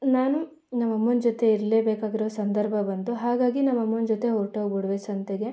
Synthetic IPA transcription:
naːnu | nɐmːɐmːɐnd͡ʒot̪e̞iɾleːbeːkaːɡiɾoːsɐnd̪ɐɾbʱɐbɐnt̪uɦaːɡaːɡinɐmːɐmːɐnd͡ʒot̪e̞ɦoːʈɐʋbuɽʋesɐnt̪eɡe̞

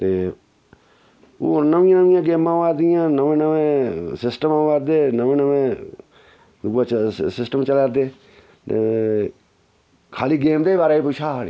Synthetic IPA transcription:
t̪eː | oːnəʋɪ̃jãːnəʋɪjãːɡeːmãːʋaːɾd̪ɪjãːnəʋẽːnəʋẽːsɪsʈəmãːʋaːɾd̪eːnəʋẽːnəʋẽː | d̪ʊɡaːsɪsʈəmt͡ʃəlaːɾd̪eː | t̪e | kʰaːliːɡeːmd̪eːibaːɾaːipʊt͡ʃʰaːi

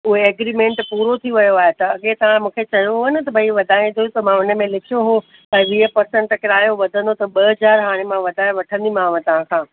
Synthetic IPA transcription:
ʊɦeɐːɡɾiːmẽːɳʈpuːɾot̪ʰiʋɐjoaːɦet̪ɐɐɠet̪ɐʋ̤ãmũːkʰet͡ɕɐjoɦonə̆t̪ɐbʱɐiʋɐd̪ʱaːĩnd̪ojũt̪ɐmãʊnə̆mẽlɪkʰijoɦo | t̪ɐʋiːɦəpɐɾsə̃ɳʈkɪɾaːjoʋɐd̪ʱə̃nd̪ot̪ɐɓɐɦɐd͡ʑaːɾɦaːɽ̃emãʋɐd̪ʱãːʋɐʈʰə̃nd̪imãːʋə̃t̪ɐʋ̤ãkʰãː

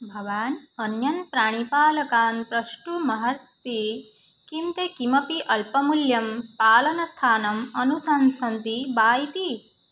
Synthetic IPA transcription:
bʱɐʋaːnɐnjɐnpɾaːɽ̃ipaːlɐkaːnpɾɐʃʈumɐɦɐɾt̪ːi | kimt̪ekimɐpiʔɐlpɐmuljɐmpaːlɐnɐst̪ʰaːnɐmɐnusɐnsɐnt̪ibaːjt̪i

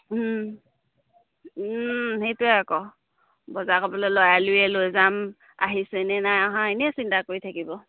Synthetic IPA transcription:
hetʊɛakɔ | bɔzakɔbɔlɔlɔjalʊjɛlojzam | a̰ɦisɛnɛnajaɦãenɛsintakoɹitʰakibɔ

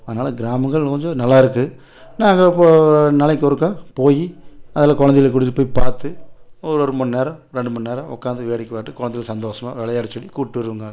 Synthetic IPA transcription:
ɐðɐnaːlɐɡɪɾaːmɐŋɡɐɭkɔɲd͡ʒɔ̃nɐlːaːɪɾɯkːɯ | naːŋɡɐpːoːnɐlɐɪk̬ːɔɾɯkːãːpoːjiɐðlaːkɔɻɐnd̪ɪlɐk̬ʊɽɯt̪ːɯpːoːjpaːɾt̪ɯɔɾɯɔɾɯmʊnːneːɾɐ̃ɾɛɳɖɯmʊnneːɾɐ̃ʔɔ̰kːaːnd̪ɯʋeːɽɪkːɯʋaːʈːɯkɔɻɐnd̪ɪjɪlsɐnd̪oːsɐma̰ːʋɛɭɐjaːɽɯt͡ʃːɐɽikuːʈːɯʋɐɾɯʋɯŋɡɐ

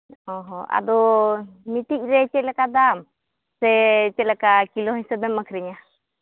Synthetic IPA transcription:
ɔɦɔa̰d̪ɔmit̪ic̚ˀɾɛt͡ʃɛlakad̪am | sɛt͡ʃɛlakakilɔɦɔɲsɛbɛmːakʰɾɛɲa

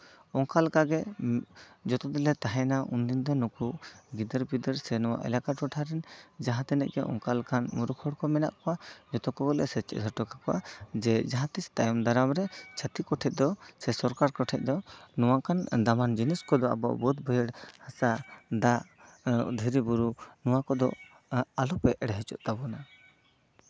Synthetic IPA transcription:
ɔŋkalkaɡɛ | d͡ʒɔt̪ɔd̪ɛlɛt̪aɦɛnaʔund̪ind̪ɔnukuʔɡid̪əɾbid̪əɾsɛnɔwa̰ʔɛ̰lakaʈkɔʈʰaɾɛnd͡ʒaɦãt̪ɛnɛ̰ʔɡɛʔɔ̰ŋkalkʰanmuɾukʰɔɽkɔmɛna̰ʔkɔwad͡ʒɔt̪ɔkɔɡɔlɛ̰sɛt͡ʃɛ̰d̪ʱɔʈɔkakɔʔa̰d͡ʒɛd͡ʒaɦãt̪ist̪ajɔmd̪aɾamɾɛt͡ʃʰat̪ikɔʈʰɛt̪̚d̪ɔsɛsɔɾkaɾkɔʈʰɛt̪̚d̪ɔnuwakʰand̪amand͡ʒiniskɔd̪ɔa̰bɔ̰ʔbɔt̪bɔjəɽhasad̪a | d̪ʱəɾibuɾunuwakɔd̪ɔ̰ | alɔpɛʔɛɽɦɛt͡ʃɔ̰ʔt̪abɔna

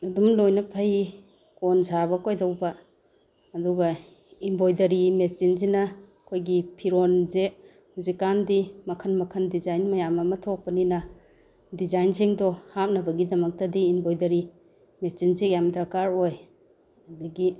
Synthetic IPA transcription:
ɐdumlojnɐpʰɐj | konzaβɐkʰojdɐwba | ɐduɡɐ | imbojdɐɾimet͡ʃinzinɐ | kʰojɡipʰiɾonze | huzikːandimɐkʰɐnmɐkʰɐndizajnmɐjamɐmɐtʰɔk̚pɐninɐ | dizajnzeŋdɔhap̚nɐbɐɡidɐmɐk̚tɐdiːmbojdɐɾi | met͡ʃinzejamdɾakaɾoj | ɐdɐɡi

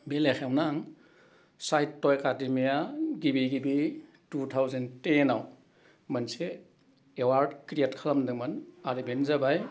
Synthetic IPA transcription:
belexʰewnaŋ | sajtːɔjekademijaɡibiɡibi | tutʰawzentenaw | mɐnseː | waɾdkɾietkʰalamdɯŋmɐnaɾibenzabaj

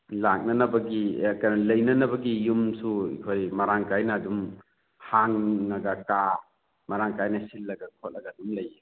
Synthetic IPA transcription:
lak̚nɐnɐbɐɡikanɐlɐjnɐnɐbɐɡijumsuḭkʰojmɐɾaŋkajnɐːdum | haŋːɐɡɐka | mɐɾaŋkajnɐsilːɐɡɐkʰot̚lɐɡɐɐdumlɐji

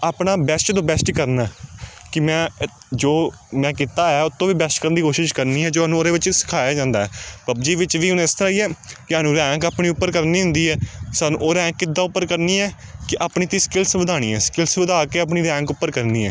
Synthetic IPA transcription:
aːpɳaːbɛsʈd̪õːbɛsʈkəɾnaɛːkɪmɛ̃ː | d͡ʒoːmɛ̃ːkɪt̪aːɛːʊt̪ʰːõːʋiːbɛsʈkəɾənd̪iːkoːʃɪʃkəɾniːɦɛːd͡ʒoːaːnũːoːɾeːʋɪt͡ʃsɪ̥kʰaːjaːd͡ʒãːnd̪aːɛːpəbd͡ʒiːʋɪt͡ʃʋiːʊnːɪst̪əɾaːiːɛːkɪɦaːnũːɾɛ̃ːŋkaːpɳiːʊpːəɾkəɾniːɦʊ̃nd̪iːɛːsaːnṵ̃ːʔoːɾɛ̃ːŋkːɪd̪ːaːʊpːəɾkəɾniːɛːkɪʔaːpɳiːt̪iːskɪlsʋəd̪aːɽ̃ḭːɛ̰ːskɪlsʋəd̪ʱaːkeːaːpɳiːɾɛ̃ːŋkʊpːəɾkəɾniːɛː

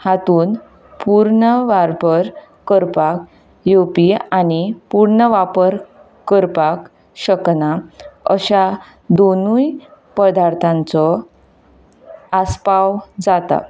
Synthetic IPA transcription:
hat̪uːn | puɾɳəʋaɾpəɾ | kəɾpak̚ | jopianipuɾɳəʋapəɾ | kəɾpak | ɕəknaəɕa | d̪onujpəd̪aɾt̪ʰãnt͡sɔ | aspawd͡zat̪a̰

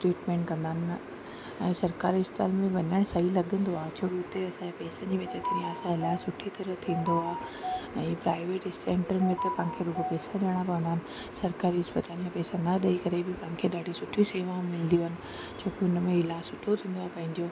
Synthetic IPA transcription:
ʈɾiːʈmẽːɳʈ̚kɐ̃nd̪aːnɪ̆ | ɛ̃ːsɐɾkaːɾiɪspɪt̪a̰ːlmẽʋɐɲaɽ̃sɐɦilɐɠə̃nd̪oaːt͡ɕʰoːkiʊt̪eɐsãepɛːsãnd͡ʑiːʋɐt͡ɕət̪ʰɐɾĩaːsãɪlaːɪsʊʈʰit̪ɐɾət̪ʰĩːnd̪oaːɛ̃ːpɾaːɪʋeːʈsẽːɳʈəɾmẽt̪ɐpɐ̃ɦkʰeɾuːbpɛːsaɗɐɽ̃ãkɐʋə̃nd̪aːnɪ̆ | sɐɾkaːɾiɪspɪt̪aːlmẽpɛːsãnaɗɐikɐɾebɪpɐ̃ɦɪ̃kʰeɗaːɖʱisʊʈʰiseːʋãmɪlə̃nd̪ioɦənɪ̆ | t͡ɕʰoːkiʊnmẽɪlaːsʊʈʰːot̪ʰĩːnd̪oaːpɐ̃ɦɪ̃ɲd͡ʑoː

